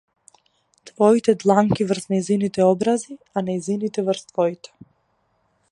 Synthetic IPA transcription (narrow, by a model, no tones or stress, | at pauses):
t̪vɔit̪ɛd̪lˠaŋkivrznɛjzinit̪ɛɔbɾazianajzinit̪ɛvrst̪vɔit̪ɛ̥